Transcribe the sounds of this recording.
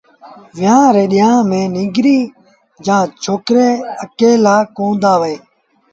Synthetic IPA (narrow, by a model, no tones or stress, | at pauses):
ʋɪjãːɾeːɗɪjãːmẽːnɪ̃ːɡɾiː | d͡ʒãːt͡ʃʰoːkɾeːəkeːlaːkõːnd̪aːʋeː